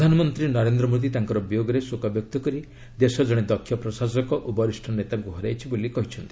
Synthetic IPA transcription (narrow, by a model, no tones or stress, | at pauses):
d̪ʱanɔmɔnt̪ɾinɔɾend̪ɾɔmod̪it̪aŋkɔɾɔbjoɡɔɾesokabjɔk̚t̪ɔkɔɾi | d̪esɔd͡ʒɔɽ̃ed̪ɔkʰːjɔpɾɔsasɔkɔʔubɔɾisʈʰɔnet̪aŋkuɦɔɾajt͡ʃʰibolikɔɦit͡ʃʰɔnt̪i